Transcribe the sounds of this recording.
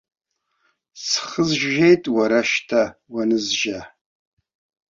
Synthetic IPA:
sχəzʒʒejtʼwaɾaʃtʰawanɨzʒa

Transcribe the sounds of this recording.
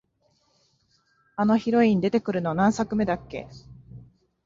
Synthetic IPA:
ano̞çiɾo̞ĩɲ̟d̪e̞t̪e̞kɯ̟ɾɯ̟no̞nãɰ̃sakɯ̟me̞d̪akːe̞̰

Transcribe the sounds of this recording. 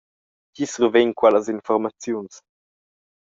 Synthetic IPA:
cisuɾveɲkwɛləzinfɔɾmat͡sjuns

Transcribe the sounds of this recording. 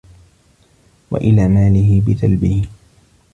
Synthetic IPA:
wa̰ʔɪlaːmaːlɪɦɪbɪt̪albɪh

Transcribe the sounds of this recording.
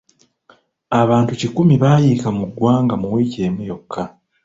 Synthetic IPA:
aβaːntucikumiβaːjiːkamuɡːwaːŋɡamuwiːce̞ːmejo̞kːa

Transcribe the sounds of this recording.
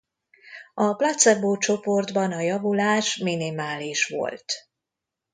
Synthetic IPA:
ɒplɒt̪sɛboːt͡ʃo̞po̞rd̪bɒnɒjɒvulaːʃminimaːliʃʋo̞̰lt̪

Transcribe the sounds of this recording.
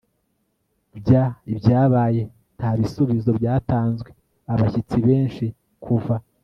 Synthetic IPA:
bɟaibjaːβaːje̞ | n̥haβisuβizo̞bjaːtaːnzɡwe̞ | aβaçit͡siβe̞ːnʃi | kʰuva

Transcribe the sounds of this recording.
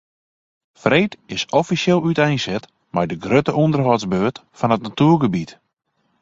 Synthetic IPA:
freːtɪsɔfisjɪlˠytɛjnsɛt | mɛjdəɡrøtəʔundərɦɔzbøːtfɔnətnatuːrɡəbit

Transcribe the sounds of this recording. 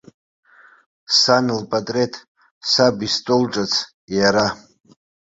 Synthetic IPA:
sanɨlpʼatʼretʰ | sabistʼolʈ͡ʂʼat͡sʰ | jaɾa

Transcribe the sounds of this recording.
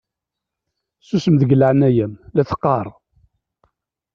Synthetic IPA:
susəmðəɡəlʕnæjæmlæθə̥qːɑɾˤ

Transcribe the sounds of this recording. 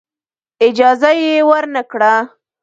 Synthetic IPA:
ɪd͡ʒɑzajewəɾnəkɽa

